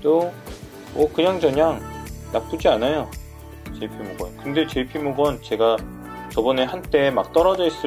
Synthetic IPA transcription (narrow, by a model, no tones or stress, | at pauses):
t͈o | ʌkɯɲaŋd͡ʑʌɲaŋnak̚t͈ud͡ʑianajo | t͡ɕepʰimoɡwʌ̰nkɯnde̞t͡ɕepʰimuɡʌnt͡ɕe̞ɡa | t͡ɕʌbʌneɦant͈e̞mak̚t͈ʌɾʌd͡ʑʌs͈ɯ